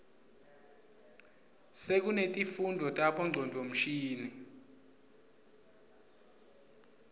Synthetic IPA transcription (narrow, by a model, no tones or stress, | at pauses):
sek̬unetʼifundʱɔtʼaɓɔŋ͡ǀʱɔndʱom̩ʃiːni